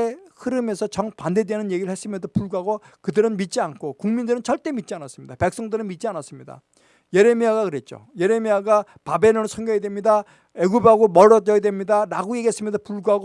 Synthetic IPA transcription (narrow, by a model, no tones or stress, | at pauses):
ehɯɾɯmesʰʌt͡ɕʌŋpande̞dwenɯnje̞ɡiɾɯɭhʰe̞s͈ɯmjʌnd̪opuɭɡuɦaɡokɯdɯɾɯnmit̚t͡ɕ͈iankʰokuŋmindɯɾɯnt͡ɕʰʌɭt͈e̞mit̚t͡ɕ͈ianas͈ɯmɲid̪ape̞k̚s͈ʌŋdɯɾɯnmit̚t͡ɕianas͈ɯmɲida̰ | je̞ɾe̞miaɡakɯɾe̞t̚t͡ɕ͈o̰je̞ɾe̞miaɡa | pabe̞nɯnsʰʌŋɡjʌjedwemɲida | e̞ɡubaɡomʌɾːʌd͡ʑʌjedwe̞mɲidaɾaɡoeɡe̞s͈ɯmɲʌdopuɭɡuɦaɡo